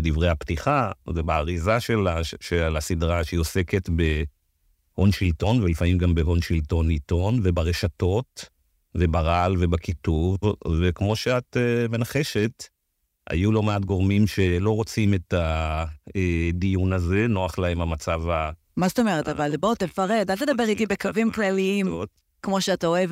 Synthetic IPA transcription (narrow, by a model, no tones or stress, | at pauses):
ed̪ivʁe̞jhaptiχavebaaʁizaʃelaʃealasidʁaʃeiose̞ke̞tbe̞ | honʃilto̞nvelfaimɡambeho̞nʃilto̞nito̞nve̞baʁeʃato̞t | ve̞baʁalve̞bakituvvekmo̞ʃeateme̞naχe̞ʃe̞t | a̰julo̞meat̚ɡo̞ʁmimʃe̞lo̞ʁo̞t͡sime̞ta | edijunaze̞no̞aχlae̞mamat͡sava | mazto̞me̞ʁetavalbotefaʁed̪alt̪edabeʁitibekavimkleliim | kmo̞ʃeatoev